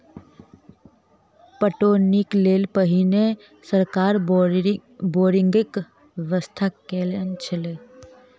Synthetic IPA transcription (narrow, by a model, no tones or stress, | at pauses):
pəʈoːnɪkleːlpəɦine | səɾkaːɾ | boːɾɪ̃ŋɡɪk | ʋəst̪ʰakːeːlənt͡ʃʰəleː